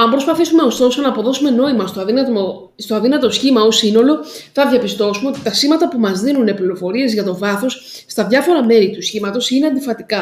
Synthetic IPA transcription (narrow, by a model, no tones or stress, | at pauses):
ɐmpɾo̞spɐθisume̞o̞st̪o̞sonɐːpo̞ðo̞sume̞no̞imɐst̪oɐ | st̪oɐðinɐt̪osçimɐosino̞lo̞θɐðʝɐpist̪o̞sume̞ot̪i̥t̪ɐsimɐt̪ɐpumɐzðinune̞pliɾo̞fo̞ɾie̞zʝɐt̪o̞vɐθo̞sː | t̪ɐðʝɐfo̞ɾɐme̞ɾit̪usçimɐt̪o̞sine̞ɐnd̪ifɐt̪ikɐ